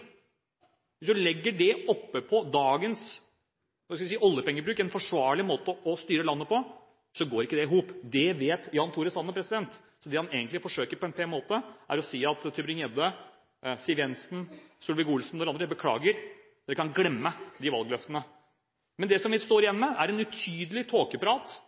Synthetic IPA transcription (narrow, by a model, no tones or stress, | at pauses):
ʋɪsd̪ʉlɛɡːəɖɛɔpːəpʰɔd̪ɑːɡəns | ɑskɑʋɪsiːəɔlːəpɛŋːəbɾʉːkɛnfɔʂʋɑːɭɪmoːt̪əʔɔst̪yːɾəlɑnːəpɔ | sɔɡoːɾɪkːəd̪ɛɪɦuːpd̪ɛʋeːt̪jɑːnt̪ʰuːɾəsɑnːəpʰɾɛsɪd̪ɛnt̪ | sɔd̪ɛhɑneːɡənt̪lɪfɔʂøːkəɾpʰɔɛnpʰɛnmoːt̪əʔæ̰ɾɔsiːɑt̪ʰːʏbɾɪŋɛd̪ə | siːʋjɛnsn̩sulʋɪɡuːlsn̩ɔd̪ɛɾɑnd̪ɾəbəkʰlɑ̰ːɡəɾ | d̪ɛkʰɑnɡlɛmːəd̪ɪʋɑlˠɡlœft̪ənə | mɛnd̪ɛsɔmʋɪst̪oːɾɪjɛnːɔmɛæɾɛnʉt̪ʰyːd̪əlɪt̪ʰoːkəpɾɑːt̪